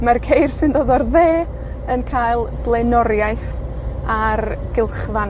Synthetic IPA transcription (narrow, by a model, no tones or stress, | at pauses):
markʰejrsɨndoðɔrðeː | ənkʰaːjlˠblˠenɔɾjajθ | arɡ̥ɪlˠχvan